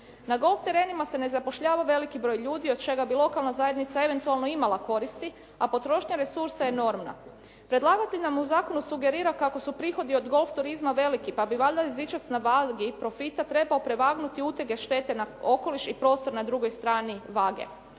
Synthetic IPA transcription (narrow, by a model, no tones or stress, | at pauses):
naɡo̞lˠft̪e̞ɾe̞ːnimase̞ne̞zapo̞ʃʎaːʋaʋe̞likibɾo̞jʎuːd̪io̞d̪̚t͡ʃe̞ɡabilˠo̞kalˠnazaje̞d̪nit̪sae̞ʋe̞nt̪ualˠno̞imalˠako̞ɾist̪i | apo̞t̪ɾo̞ʃɲaɾe̞suɾsajeno̞ːɾmna̰ | pɾe̞d̪lˠaːɡat̪inamuzaːko̞nusuɡe̞ɾiːɾakako̞supɾiːxo̞d̪io̞d̪ɡo̞lˠft̪uɾizmaʋe̞likipabiʋaʎd̪aizit͡ʃat̪snaʋaɡipɾo̞fit̪at̪ɾe̞baopɾe̞ʋaɡnut̪iut̪eɡe̞ʃt̪e̞ːt̪e̞nao̞ko̞liʃipɾo̞ːst̪o̞ɾnad̪ɾuɡo̞jst̪ɾaːniʋaːɡḛ